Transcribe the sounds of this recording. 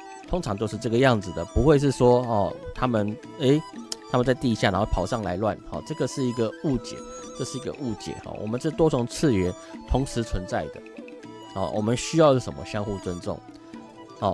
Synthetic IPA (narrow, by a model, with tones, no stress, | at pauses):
t̪ʰo˥ŋʈ͡ʂʰɑ˧˦ŋt͡ɕjo˥˧ʊʂ̬̩˥˧ʈ͡ʂɤ˥˩ɡə˨jɑ˥˩ŋd͡zɹ̩˨˩d̪ə˩pu˧˦xwe˥˧ɪʂ̬ɻ̩˥˩ʂwɔ˥hɔ˥˨t̪ʰa˥mə˨n | e˦˥ɪt̪ʰa˥mə˨nt͡sa˥˧ɪt̪i˥˧ɕja˥˩n˨˦˥xpʰɑ˨˩ʊʂɑ˥˩ŋla̰˧˥ɪlwa̰˥˨nxɔ̰˨˩ʈ͡ʂɤ˥˩ɡə˨ʂɻ̩˥˩i˧˥ɡə˨u˥˩t͡ɕjɛ̰˨˩t͡ɕə˥˧ʂɻ̩˥˩i˧˥ɡə̰˧ʔu˥˩t͡ɕjɛ̰˨˩xɔ̰˩wʔɔ̰˨˩mə˨˦nʂə˥˩t̪wɔ˥t͡sʊ˨˩ŋt͡s̩ʰ˥˩ɥɛ˨˦n | t̪ʰʊ˧˥ŋʂɻ̩˧˥t͡sʰwə˧˦nt͡sa˥˩ɪd̪ə̰˩ | hɔ̰˥˨˩wʔɔ̰˨˩mə˦nɕy˥jɑ˥˧ʊjo˥˩ʂə̰˨˩mə̰˦ɕjɑ˥ŋxu˥˨˩t͡swə˦˥nt͡sʊ̰˥˨˩ŋ | hɔ˨˩